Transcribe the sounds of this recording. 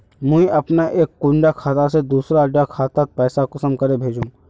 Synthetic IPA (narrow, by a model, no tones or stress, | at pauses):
mũĩʔɐpnaʔeːkːʊ̃ɳɖakʰaːt̪ased̪uːsɾaɖakʰaːt̪at̪̚pɛːsakɐsəmkɐɾebʱeːd͡ʒũ